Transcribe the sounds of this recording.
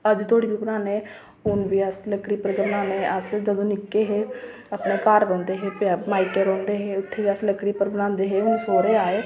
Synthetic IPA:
əd͡ʒt̪ʰoːɽiːbiːbənaːneː | ʊnbiːəsləkɽiːpəɾɡənãːneːəsd͡ʒəd̪õːnɪkːeːɦeː | apneːkaːɾɾɔ̃ːnd̪eːɦeːpaːmaːikeːɾõːnd̪eːɦeːʊt̪ʰːeːʋiːəsləkɽiːpəɾbənãːnd̪eːɦeːɦʊnsoːɾeːaːeː

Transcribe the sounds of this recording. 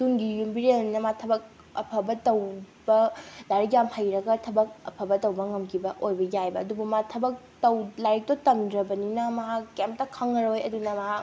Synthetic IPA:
tuŋɡijumbiɾelnnɐmatʰɐbɐk̚ | ɐ̰pʰɐbɐtɐw | bɐdaɾikjamhajɾɐɡɐtʰɐbɐk̚ɐ̰pʰɐbɐtɐwbɐŋɐmkʰibɐʔojbɐjajbɐɐdubumatʰɐbɐk̚tɐwlaɾik̚totɐmdɾɐbɐninɐmɐɦakːemp̚tɐkʰɐŋɐɾojɐdunɐmɐɦak

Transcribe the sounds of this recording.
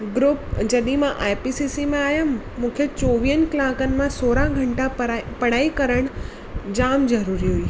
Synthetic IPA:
ɡɾuːpd͡ʑɐɗimãʔaːjpiːsisimẽaːɦjan | mũːkʰet͡ɕoːʋiːənɪ̆klaːkənɪ̆mãsoːɾãɡʱɐ̃ɳʈapɐɽ̤aːikɐɾəɽ̃ | d͡ʑaːmzɐɾuːɾiɦuiː

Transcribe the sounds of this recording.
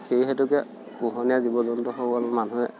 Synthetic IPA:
seiɦɛtʊkɛ | puɦɔnijazibɔdɔntɔxoalɔmanuɛ

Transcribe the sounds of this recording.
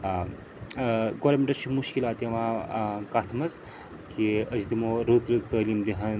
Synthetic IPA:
ɡoːɾlmeʈɐt͡ʃʰimuʃkilaːt̪jɐʋãːkat̪ʰmɐs | kiɐsd̪imoːɾut̪ɾut̪t̪ɐːliːmd̪iɦɐn

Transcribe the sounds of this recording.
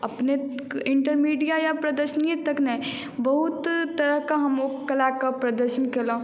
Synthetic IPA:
ɐpneɪ̃ɳʈəɾmiːɖijajapɾɐd̪əɾʃəniet̪ɐknẽ | bɐɦʊt̪t̪ːɐɾəɦkaɦɐmokɐlaːkapɾɐd̪əɾʃənkeːlã

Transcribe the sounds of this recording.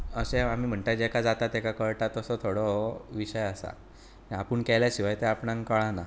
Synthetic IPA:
əsẽamiːm̤əɳt̪ad͡ʑekʰad͡zat̪at̪ekakəɭʈat̪ːəsɔt̪ʰoɽoʋiɕəjasa̰ | ẽapəɳkɛljaɕiʋajt̪eapɳãŋkəɭãna

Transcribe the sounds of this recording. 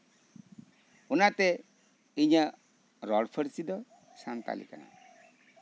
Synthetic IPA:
unat̪ɛ | iɲa | ɾɔɖpʰəɾsid̪ɔ | sant̪a̰lḭkana̰

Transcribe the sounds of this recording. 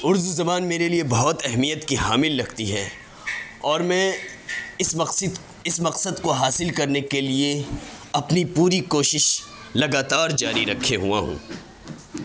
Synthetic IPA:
ʊɾzuzɐmaːnmeːɾeliebɐɦt̪ɛɦmijət̪kiɦaːmɪlːɐɡt̪iɦɛː | ɔːɾmɛ̃ | s | ɪsmɐqsəd̪koɦaːsɪlkɐɾnekelie | ɐpnipuːɾikoːʃɪʃ | lɐɡaːt̪aːɾd͡ʒaːɾiɾɐkʰːeɦuã̰ɦṵ̃ː

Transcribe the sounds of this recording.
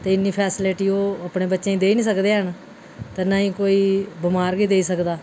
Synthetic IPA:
t̪eːɪnːiːpʰɛːsɪleʈiːoːəpnẽːbətːʃẽːĩːd̪eːiːnĩːsəkd̪eːɦən | t̪eːnaĩːkoːiːbɪmaːɾɡiːd̪eːiːsəkd̪aː

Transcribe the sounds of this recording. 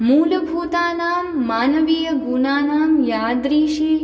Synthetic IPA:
muːlɐbʱuːt̪aːnaːmːaːnɐʋiːjɐɡunaːnaːmjaːd̪ɾiːʃi

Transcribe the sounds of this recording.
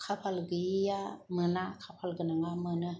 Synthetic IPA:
kʰapʰalɡɯijamɯnakʰapʰalɡɯnaŋamɯnɯ

